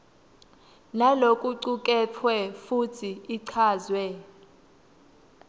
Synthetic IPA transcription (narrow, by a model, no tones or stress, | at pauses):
nalokʼuǀukʼɛtʰwɛfutʰiːǀʰaːzwɛ